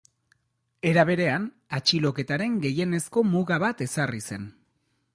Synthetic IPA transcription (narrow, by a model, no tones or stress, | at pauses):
e̞ɾaβe̞ɾe̞an | at͡ʃilo̞ke̞t̪aɾe̞ŋɡe̞je̞ne̞sko̞muɣaβat̪e̞sarise̞n